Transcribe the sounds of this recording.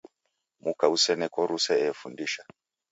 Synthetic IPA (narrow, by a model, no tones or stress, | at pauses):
mukausɛnɛkɔɾusɛɛfundiʃa